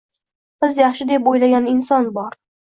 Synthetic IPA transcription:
b̥ɪzjaχʃɪd̪e̞pojlaɡʲanɪnsɒnbɒɾ

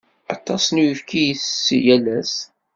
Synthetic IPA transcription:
ɑt̪ˤːɑsnuəfkijəsjælæs

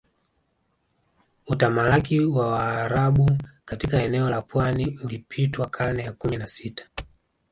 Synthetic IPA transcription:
utamaakiwawaːɾaɓukatikaɛnɛɔlapwaniulipʰitwakʰanɛjakuminasitḁ

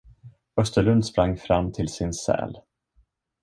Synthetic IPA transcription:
œst̪əɭɵnd̪spɾaŋːfɾamːt̪ʰɪlsɪnsɛ̰ːl

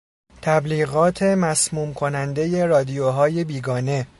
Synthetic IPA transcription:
t̪ʰæbliːɣɒːt̪ʰe̞mæsmuːmkʰo̞nænd̪e̞je̞ɾɒːd̪ijoɦɒːje̞biːɡɒːne̞

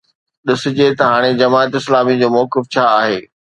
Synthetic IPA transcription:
ɗɪsʊ̆d͡ʑet̪ɐɦaːɽ̃ed͡ʑɐmaːt̪ɪslaːmid͡ʑoːmɔːkɪft͡ɕʰaaːɦeː

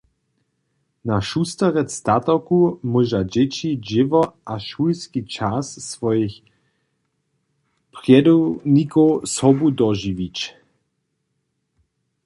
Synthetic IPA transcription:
naʃust̪əʁɛst̪at̪ɔkumuʒad͡ʑɪt͡ʃid͡ʒɪvɔaʃulskit͡ʃasːvɔjix | pʁjɛdunikɔwsɔbudɔʒivit͡ʃ

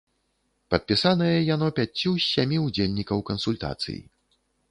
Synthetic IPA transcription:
pɐt̪̚pʲisanɐjɐjan̪ɔpʲat͡sʲːusʲamʲiud͡zʲelʲnʲikɐwkɐnsulʲt̪a̰t̪sɨ̰jḭ

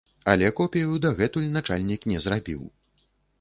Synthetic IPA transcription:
a̰lʲɛkɔpʲijud̪aɣɛt̪ulʲnat͡ʂalʲnʲiknʲɛzrabʲḭw

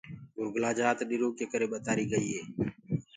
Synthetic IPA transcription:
ɡʊɾɡlaːd͡ʒaːt̪ɗɪɾoːkeːkəɾeːɓət̪aːɾiːɡəiːɦeː

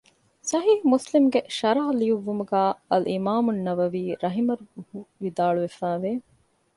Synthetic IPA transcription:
sɐɦiːhumuslimɡeʃɐɾaɦɐliuʋːumuɡæːɐlimaːmunːɐʋɐʋiːɾɐɦimɐɾuhuʋid̪aːɭuʋefæːʋeː

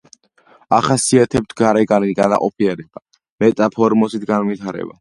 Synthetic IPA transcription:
aχasiat̪ʰɛp̚t̪ʰɡaɾɛɡaniɡana̰qʼɔpʰiɛɾiqa | mɛt̪ʼapʰɔɾmɔsit̪ʰɡanvit̪ʰaɾɛ̰ba̰

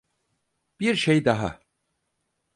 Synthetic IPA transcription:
b̥iɾʃejd̪aɦa̰

